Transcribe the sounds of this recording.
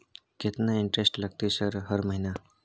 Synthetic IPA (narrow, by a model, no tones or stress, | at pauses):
ket̪naiɳʈɾesʈlaɡ̚t̪iːsəɾɦəɾməɦina